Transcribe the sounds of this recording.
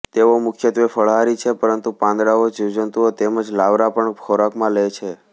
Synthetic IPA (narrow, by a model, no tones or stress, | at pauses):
t̪eʋomʊkʰjət̪ʋefəɭɦaɾit͡ʃʰepəɾənt̪upãnd̪ɾaod͡ʒiwd͡ʒənt̪uot̪eməd͡ʒlaʋɾapəɳkʰɔɾakmãlejt͡ʃʰe